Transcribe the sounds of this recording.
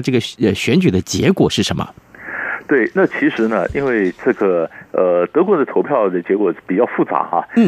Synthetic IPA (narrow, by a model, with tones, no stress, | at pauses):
ʈ͡ʂɤ˥˩ɡə˩ə˧˩ɕɥɛ˧˥nt͡ɕy˨˩d̪ə˦t͡ɕjɛ̰˧˥kwɔ˨˩ʂɻ̩˥˩ə˧˥nmə̰˧t̪we˥˩ɪna˥˩t͡ɕʰi˧˥ʂɻ̩˧˥nə̰˧ʔi˥˧nwe˥˧ɪʈ͡ʂɤ˥˩ɡə˩ə˧t̪ɤ˧˥kwɔ˧˥d̪ə˧o˧˥ʊpʰjɑ˥˩ʊd̪ə˩t͡ɕjɛ˧˥kwɔ˨˩˥pi˨˩t͡ɕjɑ˥˧ʊfu˥˩t͡sa̰˧˥xɐ̰˧n̩˥˩